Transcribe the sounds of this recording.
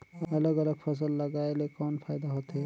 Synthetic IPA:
əələɡələɡpʰəs̬əlːəɡaelekɔnpʰaɪd̪aɦot̪ɦe

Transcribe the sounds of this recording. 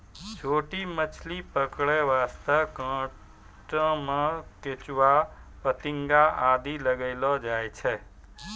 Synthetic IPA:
t͡ʃʰoːʈimət͡ʃʰlipəkɽɛʋaːst̪əkãː | ʈə̃mãk̪et͡ʃʋa | pət̪ɪŋɡaaːd̪iləɡəɪlɔd͡ʒaːet͡ʃʰɛː

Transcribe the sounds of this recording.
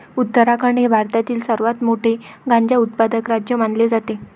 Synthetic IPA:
ut̪ːəɾakəɳɖɦebʱaɾt̪at̪iːlsəɾʋat̪moʈʰeɡaɲd͡ʑaut̪̚pad̪əkɾad͡ʑjəmaɳled͡zat̪e

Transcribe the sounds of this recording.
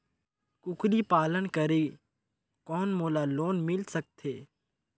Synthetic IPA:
kʊkʰlipaːlənkəɾeː | kɔːnmoːlaloːnmɪlsək̚t̪ʰeː

